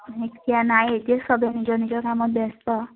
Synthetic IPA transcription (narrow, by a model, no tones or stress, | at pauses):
ɦekianajet̪iesɔbjenid͡ʒɔnid͡ʒɔkamɔbest̪ɔ